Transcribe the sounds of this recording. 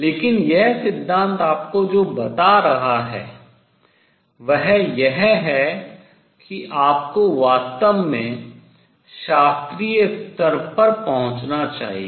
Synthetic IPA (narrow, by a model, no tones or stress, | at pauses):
leːkɪnjɛɦsɪd̪ʱːãːnt̪aːp̚kod͡ʒoːbɐt̪aɾɐɦaɦɛ̰ː | ʋɛɦjɛɦɦɛ | kiʔaːp̚koʋaːst̪əmmẽ | ʃaːst̪ɾijət̪ɐɾpɐɾpɐɦʊ̃t͡ʃnat͡ʃa̰ːɦḭe